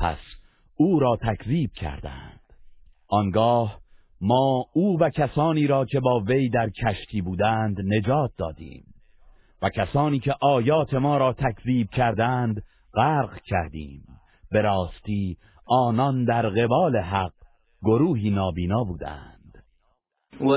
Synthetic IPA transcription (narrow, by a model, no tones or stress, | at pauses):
pʰæ̰s | uːɾɒːt̪ʰækʰziːb̥̚cʰæ̰ɾd̪æ̰nd̪̥ | ʔɒŋɡɒːh | mɒːuːvæcʰæsɒːniːɾɒːkʰe̞bɒːve̞jd̪æɾkʰæʃt̪ʰiːbuːd̪ænd̪ne̞d͡ʒɒːt̪̚d̪ɒ̰ːd̪ḭːm | væcʰæsɒːniːcʰe̞ʔɒːjɒːt̪ʰe̞mɒːɾɒːt̪ʰækʰziːb̚cʰæɾd̪ænd̪ | ɢæːɾʁcʰæɾd̪ḭːm | be̞ɾɒːst̪iː | ɒːnɒnd̪æɾɣe̞bɒːle̞ɦæq̚ | ɡo̞ɾuːɦiːnɒːbiːnɒːbuːd̪æ̰nd̪̥